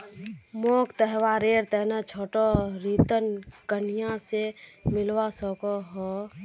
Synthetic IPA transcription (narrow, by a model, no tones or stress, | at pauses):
moːkt̪əɦwaɾeːɾt̪ɛɦnət͡ʃʰoːʈoɾiːt̪ənkən̤ijãsemɪlwasɔkoɦoː